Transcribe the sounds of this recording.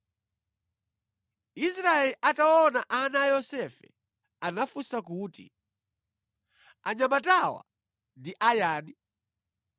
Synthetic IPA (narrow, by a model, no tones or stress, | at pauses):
isɾaɛliʔataɔnaʔanajɔsɛfɛ | anafusak̬uːtḭ | aɲamatawa̰ | ndiʔajaːni